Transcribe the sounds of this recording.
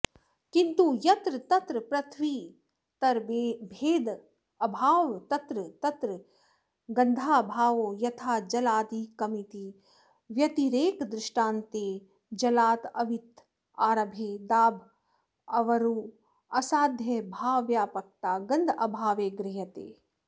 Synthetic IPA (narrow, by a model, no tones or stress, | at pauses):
kĩnt̪ujɐt̪ɾɨt̪ɐt̪ɾɨpɾɐt̪ʰʋiː | t̪ɐɾebʱeːd̪ | ɐbʱaːʋt̪ɐt̪ɾɨt̪ɐt̪ɾɨ | ɡɐ̃nd̪ʱaːbʱaːʋoːjɐt̪ʰaːd͡ʒɐlaːd̪iːkɐmit̪i | ʋjɐt̪iɾeːkd̪ɾɪʃʈaːnt̪eː | d͡ʒɐlaːt̪ɐʋit̪ | aːɾɐbʱeːd̪aːbʱ | ɐʋɐɾuː | ɐsaːd̪ʱjɐbʱaːʋjaːpɐk̚t̪aːɡɐnd̪ɐbʱaːʋeːɡɾɪɦɐt̪ḛː